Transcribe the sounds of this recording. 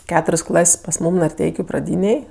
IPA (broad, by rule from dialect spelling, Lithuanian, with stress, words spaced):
ˈkʲæːtʊrʲsʲ ˈklˠɐsʲ pɐs ˈmuːm nɐrʲˈtʲɛɪkʲʊ prɐˈdʲiːnʲeːj